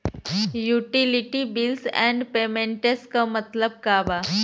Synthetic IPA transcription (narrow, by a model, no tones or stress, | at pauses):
juʈiliʈibilsɛ̰̃ɳɖpemẽɳʈeskamət̪ləb̚kaʋa